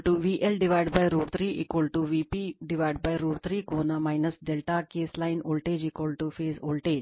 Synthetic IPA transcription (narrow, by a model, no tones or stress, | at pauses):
ʈuʋiːʔelɖiʋajɖbajɾuːɽt̪ʰɾiːʔḭkolʈuʋiːpiɖiʋajɖ̚bajɾuːɽt̪ʰɾiːkoːnamaɪnɐsɖelʈakeːslaɪnoːlʈeːd͡ʒiːkʋɐlʈufeːzoːlʈeːd͡ʒ